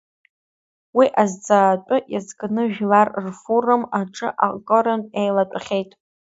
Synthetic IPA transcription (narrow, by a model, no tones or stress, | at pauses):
wiʔazd͡zaːtʷʼʊjazɡnɨʒᶣlarrfurɨmaʈ͡ʂʼɨ̰ʔakʼoɾantʼejlatʷʼχʲejtʼ